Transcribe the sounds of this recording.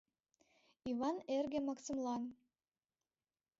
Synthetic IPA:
iβɑnerɡĕmɑksəmlɑn

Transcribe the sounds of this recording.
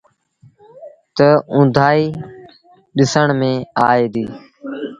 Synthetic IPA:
t̪əʊ̃nd̪ʱaːiː | ɗɪsəɳmẽːaːeːd̪iː

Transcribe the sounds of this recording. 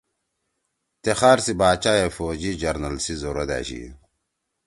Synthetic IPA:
t̪exaːɾsibaːt͡ɕaːjefoːd͡ʑid͡ʑɐɾnɐlsizoɾod̪a̰ːɕḭ

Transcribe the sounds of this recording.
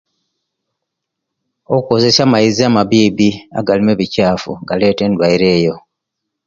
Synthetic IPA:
okukoze̞samaiziamaβiːbia̰ɡalime̞βicaːfṵɡale̞ːte̞ːndwaiɾe̞ːjo̞

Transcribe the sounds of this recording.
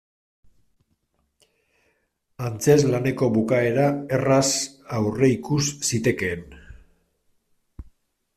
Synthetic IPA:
ant͡se̞zlane̞ko̞βukae̞ɾae̞rasawre̞ikusːit̪e̞ke̞ːn

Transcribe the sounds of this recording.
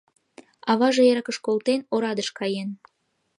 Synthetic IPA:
ɑβɑʒejeɾɑkəʃkolt̪enoɾɑd̪əʃkɑjen

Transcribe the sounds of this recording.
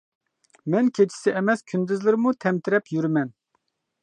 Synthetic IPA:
mɛnkʲʰet͡ʃʰi̥sɪʔemɛskʲʰynd̪yzlɪɾmut̪ʰɛmt̪ʰɪɾɛpʰjyɾymɛn

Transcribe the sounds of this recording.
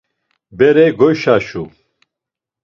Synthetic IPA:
bɛɾɛjɡɔjʃaʃu

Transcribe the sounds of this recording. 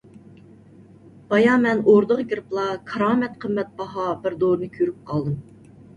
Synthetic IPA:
b̥ɑjɑmɛnoɾd̪əqɡʲiɾplˠɑkʰɑɾɑːmɛt̪̚qʰəmːɛt̪̚bɑɦɑbɪɾd̪oɾnɨkʲʰøɾyp̚qʰɑlˠd̪ɨm

